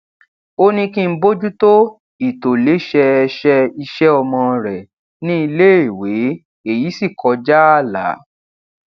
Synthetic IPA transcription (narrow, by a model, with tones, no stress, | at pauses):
o˦nĩ˧kĩ˦m̩˦bo˦d͡ʒu˦to˦ | i˨to˨le˨˦ʃɛ˧ʃɛ˧i˧ʃɛ˦ɔ˧mɔ̃˧ɾɛ˨ | nĩ˦i˧le˦i˦˨we˨˦ | e˦˨ji˨˦si˦˨kʰɔ˨˧d͡ʒa˦a˦˨la̰˨˦